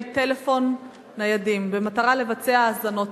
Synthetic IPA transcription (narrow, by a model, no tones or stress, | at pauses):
te̞le̞fo̞nː | ajadimbe̞mataʁale̞vat͡se̞aːzano̞t